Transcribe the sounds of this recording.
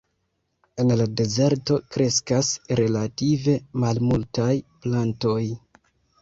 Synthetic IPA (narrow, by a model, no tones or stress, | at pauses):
e̞nlade̞ze̞ɾto̞kɾe̞skasɾe̞lative̞malmultajplanto̞j